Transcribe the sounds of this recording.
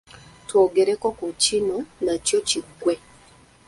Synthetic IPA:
twoɡeɾɛkɔkɔt͡ʃinonat͡ʃjɔt͡ʃiɡwɛ

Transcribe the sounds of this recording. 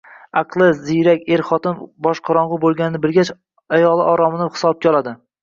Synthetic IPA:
ɑqʰlˠɪzzijɾakʲe̞ɾχɒt̪ɪmbɒʃqʰɑɾɒɴʁʊbolˠɡʲanɪnɪbɪlɡʲat͡ʃ | ajɒlˠɪʔɒɾɒmɪnɪhɪ̥sɒp̚kʲaɒlˠad̪ɪ

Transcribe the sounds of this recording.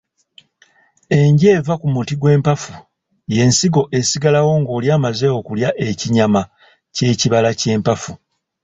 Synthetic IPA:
e̞ɲɟe̞ːvakumutiɡwe̞ːmpafu | je̞ːnsiɡo̞ʔe̞siɡalawo̞ŋɡo̞ːljaːmaze̞okuljaʔe̞ciɲama | ce̞ːciβalace̞ːmpafu

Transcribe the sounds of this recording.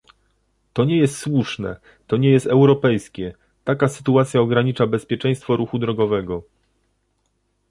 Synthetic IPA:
t̪ɔɲɛjɛst̪swuʂnɛ̰ | t̪ɔɲɛjɛst̪ɛwɾɔpɛjskʲɛ | t̪akasɘ̥t̪uat̪sʲjaɔɡɾaɲit͡ʂabɛspʲjɛt͡ʂɛ̃j̃st̪fɔɾuxud̪ɾɔɡɔvɛɡɔ

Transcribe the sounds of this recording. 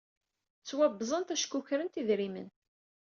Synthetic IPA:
t͡sːwæbːzˤənt̪æʃkːuçɾənt̪iðɾimə̰n

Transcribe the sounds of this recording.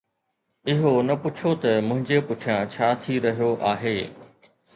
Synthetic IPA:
ɪɦonɐpʊt͡ɕʰot̪ɐmʊ̃ɦɪ̃ɲd͡ʑepʊʈʰijãt͡ɕʰaːt̪ʰiɾɐɦijoʔaːɦeː

